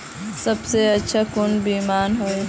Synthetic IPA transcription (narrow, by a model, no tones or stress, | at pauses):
sɐbseɐtːʃʰakʊnbiːmaːnɦoe